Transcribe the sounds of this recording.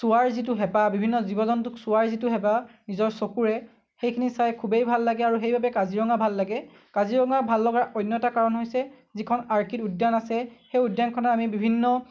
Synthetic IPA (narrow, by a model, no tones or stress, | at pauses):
sʊwaɹzit̬ʊɦɛpabibʱinːɔzibɔzɔntʊksʊaɹzitʊɦɛbanizɔɹsokuɹɛ | xejkʰinisajkʰubejbʱalːaɡɛaɹuxejbabɛkaziɹɔŋabʱalːaɡɛ | kaziɹɔŋabʱalːɔɡaʔɔjnːɔɛtakaɹɔnɦojsɛ | zikʰɔnaɹkitudːjanasɛxejudjankʰɔnaamibibʱinːɔ